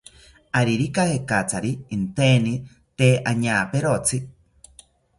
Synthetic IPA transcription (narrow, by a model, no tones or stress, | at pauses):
aɾiɾikahekat͡saɾiːnt̪eni | t̪eʔaɲaːpeɾot͡si